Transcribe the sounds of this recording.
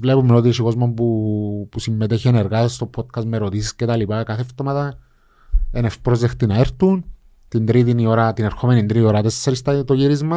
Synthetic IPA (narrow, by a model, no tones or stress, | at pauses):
vle̞pumeno̞t̪̬isiko̞zmombupusimːet̪eçieneɾɣatest̪o̞pʰo̞t̪̚kɐsmeɾo̞t̪isiscet̪alipakaθeft̪omat̪ɐ | ene̞fpɾo̞zext̪inaeɾt̪un | t̪ind̪ɾiðinio̞ɾat̪ineɾxo̞me̞nind̪ɾinioɾat̪esːeɾist̪ɐt̪oʝiɾizmɐs